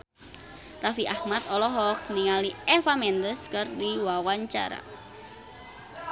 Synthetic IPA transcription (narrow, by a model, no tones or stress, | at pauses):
rafiʔahmat̪ɔlɔɦɔk̚niŋaliɛfamɛnd̪əskɨrdiwawaɲt͡ʃa̰ɾa̰